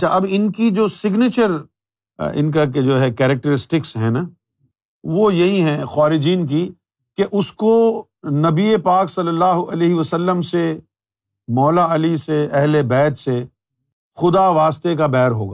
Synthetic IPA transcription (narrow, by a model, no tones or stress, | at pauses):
ɐʃʰaʔɐbɪnkid͡ʒoːsɪɡneːt͡ʃəɾ | ɪ̰nk̬ak̬ed͡ʒoːɦɛkɛːɾək̚ʈəɾɪsʈɪksɦɛ̃na | ʋojɐɦĩɦɛ̃xaːɾɪd͡ʒiːnk̬i | keʔʊsko | nɐbiepaːksɐlːəlːaːɦoʔɐleːɦɪʋəsəlːəmse | mɔːlaɐliseɛɦlebɛːt̪se | xʊd̪aʋaːst̪ek̬abɛːɾɦo̰ːɡa̰ː